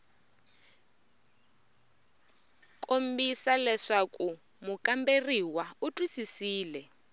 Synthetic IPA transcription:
kʼombisalɛʂaku | mukʼamberiwautʼwisisiːlɛ

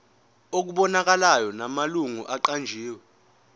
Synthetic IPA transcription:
ok̬uɓɔnak̬alajɔnamaluŋuʔaǃand͡ʒʱiːwɛ

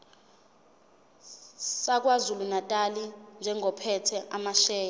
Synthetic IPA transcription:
sak̬ʼwazulunatʼalind͡ʒʱɛŋʱɔpʰɛtʰɛʔamaʃɛːja

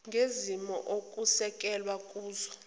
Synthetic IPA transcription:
ŋɡʱezimɔ̰ʔokʼusɛkʼɛlwakʼuːzɔ

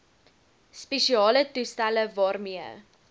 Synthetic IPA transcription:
speʃiɑːlətustæləvɑːrmiə̰

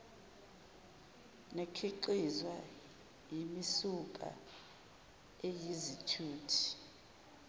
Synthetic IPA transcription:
nekʰiǃizwa | jimisukʼa̰ | ejizitʰuːtʰi̥

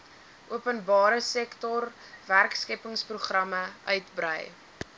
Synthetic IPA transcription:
ʔuəpənbɑːɾəsɛktɔr | værkskɛpəŋspruχrɐməœɥtbrə̰j

